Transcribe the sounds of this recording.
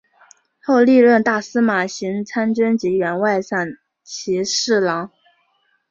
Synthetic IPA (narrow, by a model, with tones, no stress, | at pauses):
xo˥˧ʊli˥˧ɻə˥˧nt̪a˥˩sɹ̩˥ma˨˩ɕi˧˥ŋt͡sʰa˥nʈ͡ʂə˥nt͡ɕi˧˥ɥɛ˧˥nwa˥˧ɪsa˥˩n | t͡ɕʰi˧˥ʂɻ̩˥˩lɑ˧˥ŋ